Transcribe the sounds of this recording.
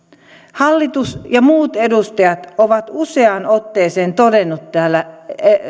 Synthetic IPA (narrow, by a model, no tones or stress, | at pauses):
hɑlːit̪usjɑmuːt̪edust̪ɑjɑt̪oʋɑt̪useɑnot̪ːeːseːnt̪odenːut̪tæːlːæe